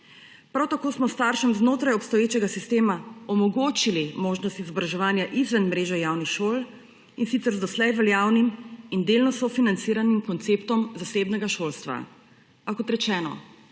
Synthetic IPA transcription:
pɾawt̪akoːsmɔst̪aːɾʃɛmznoːt̪ɾajɔpst̪ɔjeːt͡ʃɛɡasist̪eːmaɔmɔɡoːt͡ʃilimoːʒnɔst̪izɔbɾaʒɛʋaːnjaʔizʋɛnmɾeːʒɛjaːwnixʃoːl | insit̪sɛɾzd̪ɔslɛjʋɛljaːwnimind̪elnɔsɔfinant̪siɾanimkɔnt̪seːpt̪ɔmzaseːbnɛɡaʃoːlst̪ʋa̰ | pakɔt̪ɾɛt͡ʃɛːnɔ̰

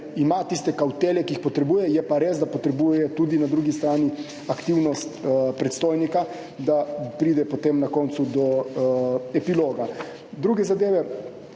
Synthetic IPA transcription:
imat̪ist̪ɛkawt̪eːlɛkiːxpɔt̪ɾɛbuːjɛjɛpaɾeːzd̪apɔt̪ɾɛbuːjɛt̪ud̪inad̪ɾuɡist̪ɾaːni | akt̪iwnɔst̪pɾɛt̪st̪oːjnika | d̪apɾiːd̪ɛpot̪emnakɔnt̪sud̪ɔ | ɛpiloːɡa | d̪ɾuːɡɛzad̪eːʋɛ

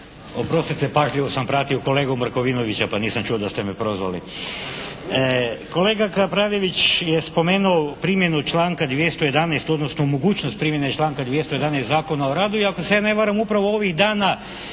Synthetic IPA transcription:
opɾo̞st̪it̪epaʒʎiʋosampɾaːt̪ioko̞leːɡomɾkoʋinoʋit͡ɕapaniːsamt͡ʃuod̪ast̪emepɾo̞zʋa̰lḭ | ko̞le̞ːɡakapɾaːljeʋit͡ɕjespo̞meːnuopɾiːmje̞nut͡ʃlaːŋkad̪ʋjest̪oje̞d̪anɛst̪o̞d̪nosnomoɡuːt͡ʃnost̪pɾimjenet͡ʃlˠaːŋkad̪ʋjest̪oje̞d̪anɛjst̪zaːko̞naoɾaːd̪uiakosejane̞ʋaɾamupɾaʋooʋiɣd̪aːna

